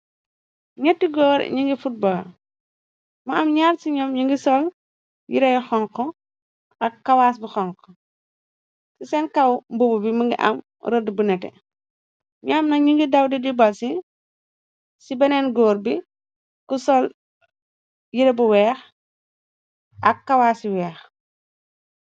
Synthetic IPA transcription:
ɲɛtːiɡɔːɾ̰ɲiŋɡifut̚bɐː | mɐɐmɲaːɾsiɲɔmɲiŋɡisɔl | jiɾɛjxɔŋkɔ | ʔɐkːɐwaːsbixɔŋkɔ | kisɛnkɐwmbububiməŋɡḭʔɐ̰m | ɾədbunɛtɛ̰ | ɲɔmnɐɲiŋɡidɐwdidibɐlsi | sibɛnɛnɡɔːɾbi | kusɔl | jiɾɐbuwɛːx | ʔɐkːɐwaːsiwɛːx

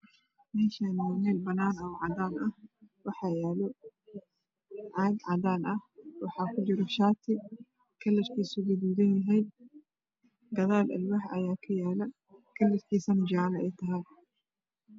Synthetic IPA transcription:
mɛːʃanɔːnɛːlbɐnaːnɐwʕɑd̪aːnɐhwɑħɑːjaːlɔ | ʕɑːd̪ʕɑdaːnɐhwɑħɑːkʰʊd͡ʒɪɾɔʃaːt̪ʰɪ | kʰɐlːɐrkʰiːsʊɡʊduːðɐnjɐɦɛjd̪ | ɡɐðaːlʔɐ̰lwɑħɐ̰jaːkʰɐjaːlɐ | kʰɐlːɐrkʰiːsɐmd͡ʒaːlɐɛjt̪ʰɐɦɐj

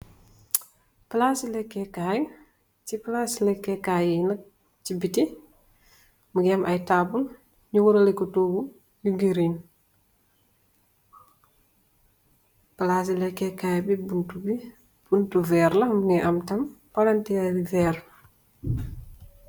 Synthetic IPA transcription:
plasilɛkːɛkaːjŋ | ciplaslɛkːɛkajinɐk̚ | cibiti | muɡɛmʔɐjtaːbul | ɲuwuɾɐlɛkːutuːɡu | juɡiɾin | plas̬ilɛkːɛkajbibuntubi | b̥untuvɛːɾlɐmuŋɛʔɐmtɐmpɐlantɛabivɛːr

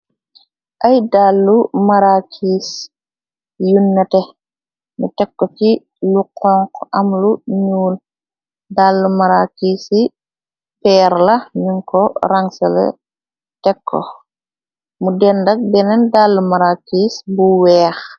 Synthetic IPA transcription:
ʔɐjdaːlːumaɾakʰiːs | junːɐtɛ | mutɛkːɔki | luqʰɔŋkɐmluɲuːl | daːlːumaɾakiːsi | pɛːɾlɐɲuŋkɔɾaŋsɐlɛ̰ | tɛkʰːɔ̰ | mudɛndɐk̚bɛnɛndaːlːumaɾakiːsbuwɛːx

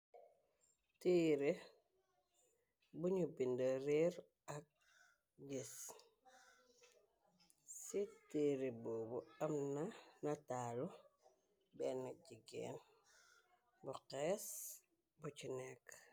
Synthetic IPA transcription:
tiːɾe | buɲubindəɾiɾ | ak̚ | ɟis | sitiːɾibubuamnanataːlu | bɛnaɟiɡḛːn | buqeːs | but͡ʃinek

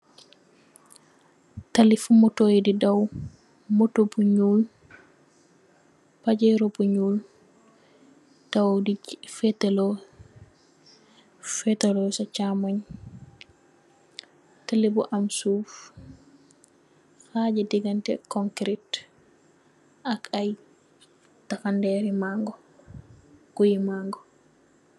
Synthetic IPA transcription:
talifmɔtojdidaw | mɔtobuɲul | pad͡ʒɛɾobuɲul | d̥awdifɛtɛlɔ | fɛtalɔsat͡ʃamaɲ | talebuʔamsuf | had͡ʒɛdiɡantɛ̰kɔŋkɾit | akʰaj | tafandɛɾimaŋɡɔ | kujimaŋɡɔ

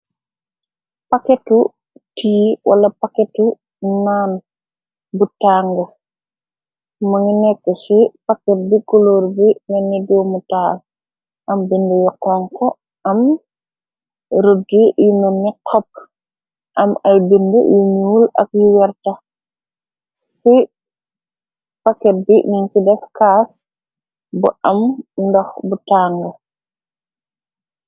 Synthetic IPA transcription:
pakɛtu | tiːwʔɐ̰lɐpakɛtu | naːn | butaːŋɡɐ | mɐŋinɛkːɔsipakɛt̚bikɔloːɾbinɛnːidɔwmutaːl | ʔɐmbindəjɔkɔŋkɔ | ɐm | ɾodːijunonːikʰɔp̚ | ʔɐmajbindəjuɲuulɐ̰k̚juwɛɾta | si | pakːɛt̚bininsidɛfkas | bṵʔamndɔxbutaŋɡɐ

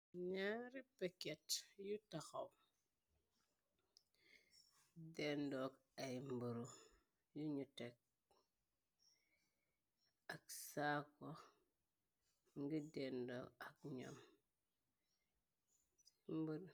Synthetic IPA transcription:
ɲaɾipeketjutaxaw | dendok | ajmbuɾu | juɲutek̚ | aksako | ŋɡidendɔ̰kakɲa̰m | mbuɾ

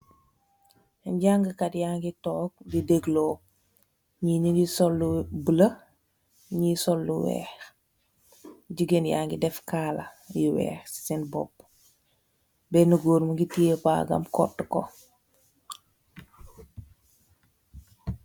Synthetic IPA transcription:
ɲɟaŋɡəkatjaŋɡitɔːk̚dideɡlɔː | ɲininisɔlːubələ | ɲisɔlːuwɛ̰ːx | ɟiɡenja̰ŋɡidɛfkaːlɐ | jiwɛ̰ːxsinbɔ̰p̚ | bɛnuɡoːɾmuɡitiepa̰ːɡɐ̰mkɔ̰tːkɔ̰

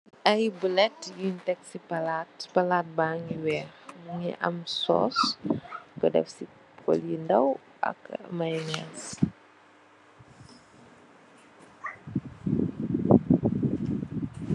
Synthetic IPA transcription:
ajbəlɛtjuntɛksipalatpalat̚baŋiwɛmuŋḭʔa̰msɔ̰s | kədɛ̰fsi | ko̰lindaw | ʔa̰kmajŋas

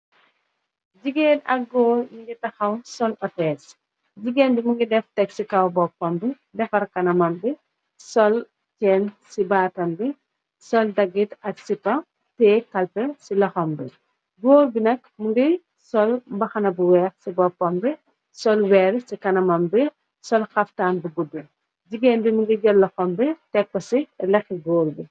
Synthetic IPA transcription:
ɟiɡeːnɐ̰k̚ɡɔːmiŋɡitɐxɐwsɔlɔtɛs | ɟiɡeːnbimuŋɡidɛftɛksikɐwbɔpːɔmbi | dɛfɐrkɐnɐmɐmbi | sɔl | t͡ʃɛːnsibaːtɐmbi | sɔldɐɡːitɐksipɐ | tɛːkɐlpɛsilɐxɔmbi | ɡoːlbinɐk̚muɡi | sɔlbɐxɐnɐbuwɛːxsibɔpːɔmbi | sɔlwɛɾsikɐnɐmɐmbi | sɔlxɐftaːnbubudːu | d͡ʒiɡeːnbimuŋɡiɟɔlːɐxɔmbitɛk̚pːɐsilɛxiɡoːlbi

